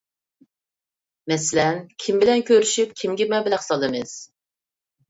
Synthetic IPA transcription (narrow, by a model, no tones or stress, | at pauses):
mɛsɪlɛnkʲʰimbɪlɛnkʲʰøɾyʃyp̚kʲʰimɡʲɛmɛbɪlæsɑd̪ɨmɨz̥